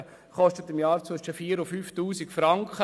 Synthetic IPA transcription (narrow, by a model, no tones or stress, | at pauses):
χɔstətɪmjɑːɾt͡səʃəfiːəɾʊfyːftuːsikfɾɑŋkχə